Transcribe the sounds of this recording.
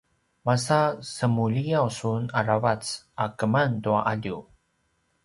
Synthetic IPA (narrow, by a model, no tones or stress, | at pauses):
masasəmuʎijawsunaɾavat͡s | akəmantuaʔaʎu